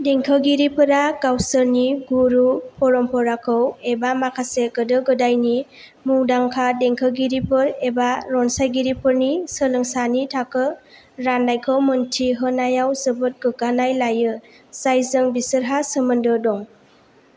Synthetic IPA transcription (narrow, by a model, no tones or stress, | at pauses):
deŋkʰəɡiɾipʰɯɾaɡawsəɾniɡuɾupʰɔɾɔmpʰɔɾakʰɯwebamakʰaseɡɯdɯɡɯdajni | muŋdaŋkʰadeŋkʰəɡiɾipʰɯɾebaɾɔnsajɡiɾipʰɯɾnisəlɯŋsanitʰakʰɯ | ɾanajkʰəwmɯntʰiɦɯnajawsɯbɯt̚ɡɯɡanajlajɯ | sajzɯŋbisəɾɦasəmɯndɯdɔŋ